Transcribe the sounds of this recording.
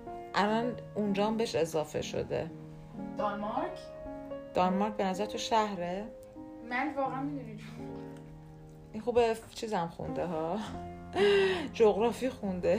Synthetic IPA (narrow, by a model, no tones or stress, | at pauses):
ʔælænund͡ʒɒːmbeeʃe̞zɒːfe̞̰ʃo̰d̪e̞̰ | d̪̥ɒnmɑɾkʰ | d̪̥ɒnmɑɾk̚be̞næzæɾet̪ʰoʃæhɾe | mænvɒːɣæænmid̪uni | ʔinxubet͡ʃʰiːzæmxṵnd̪eɦɒ | d͡ʒoɣɾɒːfiːxund̪e